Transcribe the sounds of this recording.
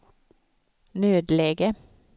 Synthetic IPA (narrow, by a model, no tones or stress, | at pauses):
nøːd̪leːɡə